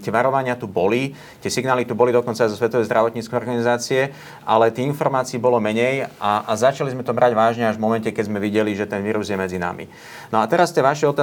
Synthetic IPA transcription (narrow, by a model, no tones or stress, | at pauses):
t̪ɪɛʋaɾɔʋaɲɪat̪ubɔli | t̪ɪɛsiɡnaːlit̪ubɔlid̪ɔkɔnt͡sajzɔsʋɛt̪ɔʋɛjzd̪ɾaʋɔt̪ɲiːt͡skɛjɔɾɡanizaːt͡siɛ | ʔalɛt̪iinfɔɾmaːt͡siːbɔlɔmɛɲɛjaʔazat͡ʃalizmɛt̪ɔmɾaɟʋaːʒɲɛaʒvmɔmɛncɛkɛzmɛʋiɟɛliʒɛt̪ɛnʋiːɾuzjɛmɛd͡zina̰mḭ | nɔat̪ɛɾast̪ɪɛʋaʃɛɔt̪a